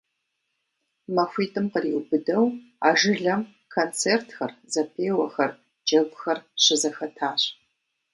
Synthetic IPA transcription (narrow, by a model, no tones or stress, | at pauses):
mɐxʷiːtʼɨmqəriwbɨdɐw | a̰ːʒɨɮɐm | kʰont͡sʰeːrtʰxɐrzɐpʰeːwɐxɐr | d͡ʒɐɡʷxɐrɕɪzɐxɐtʰaːɕʼ